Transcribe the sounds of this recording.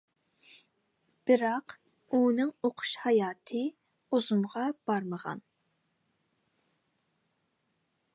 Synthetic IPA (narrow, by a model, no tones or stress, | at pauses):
b̥ɪɾɑq | unɨŋoqʰʊ̥ʃhɑjɑːt̪ʰɨ | uzumʁɑb̥ɑɾməʁɑ̰n